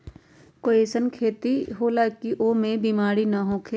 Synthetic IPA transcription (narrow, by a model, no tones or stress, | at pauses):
koeːsənkʰeːt̪iɦoːlaːkiʔoːmẽbimaːɾinaɦõkʰeː